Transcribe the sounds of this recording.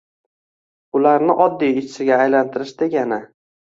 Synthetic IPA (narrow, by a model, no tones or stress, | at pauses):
ʊlaɾnɪʔɒd̪ːijɪt͡ʃʰɪ̥sɪɡʲaːjlant̪ʰɪɾɪʃd̪e̞ɡʲanɪ